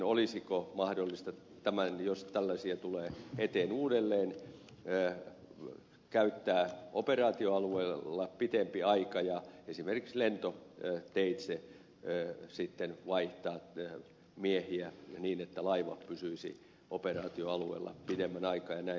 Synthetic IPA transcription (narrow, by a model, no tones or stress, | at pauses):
olisikomɑhdolːist̪ɑ | t̪æmænjost̪ælːæsiæt̪uleːet̪eːnuːdelːeːn | ə | kæyt̪ːæːʔo̰perɑːt̪ioɑlueilːɑpit̪empiɑikɑjɑesimerkikslent̪ot̪eit̪se | sit̪ːenʋɑiht̪ɑː | miehiæniːnet̪ːælɑiʋɑ̰pysyisḭ | operɑːt̪ioɑluḛːlːɑ̰pit̪emːænɑikɑːjɑnæi